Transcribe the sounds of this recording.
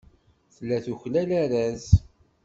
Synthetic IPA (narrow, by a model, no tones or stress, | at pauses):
θəlːæθuçlælæɾæz